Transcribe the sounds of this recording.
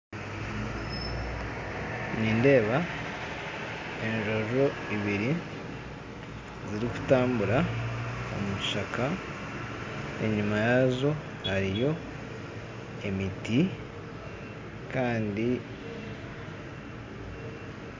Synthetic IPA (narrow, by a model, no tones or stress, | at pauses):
ɲiːnde̞ːβa | e̞nʒo̞ʒo̞iβiɾi | ziɾiku̥taːmbuɾa | o̰muʃakʰa | ḛɲumajazo̞ | haɾijo̞ | emiti | kaːndi